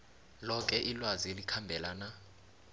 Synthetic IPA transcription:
lɔk̬ʼɛʔilwazielikʰambʱɛlana

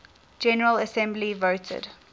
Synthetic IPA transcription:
d͡ʒɛnəɹələsɛ̃mblivoʊtʰə̰d

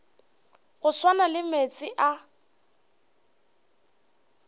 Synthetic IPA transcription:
ɣʊswanalɪmet͡sʼɪʔa

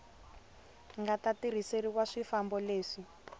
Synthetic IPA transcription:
ŋɡatatiɾ̤iseɾikwaʂifambɔleːʂi

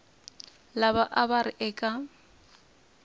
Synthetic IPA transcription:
laβaʔabaɾɪʔɛkʼa

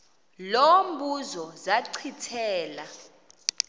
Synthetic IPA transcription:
lomɓuzɔzaǀʰitʰɛːla

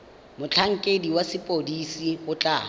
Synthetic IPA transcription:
mʊt͡ɬʰaŋ̩kʼediwasɪpʼodisiʊt͡ɬʼa̰ː

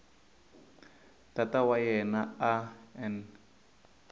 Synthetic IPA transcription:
d̥atawajɛnaaɛn

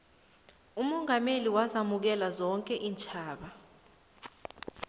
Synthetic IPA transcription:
umɔŋameliwazamuk̬ɛlazɔŋkʼɛʔiːnt͡ʃʰʼaːɓa

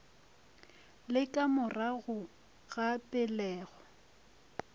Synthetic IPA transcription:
lɪkʼamʊraɣʊ | ɣapʼɪlɛːɣɔ

